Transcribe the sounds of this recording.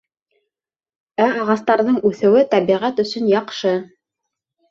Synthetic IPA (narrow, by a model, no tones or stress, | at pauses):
æɑʁɑst̪ɑɾðɤɴʉθɘ̆wɘt̪æβiʁæt̪ɵ̆sɵnjɑqʃɤ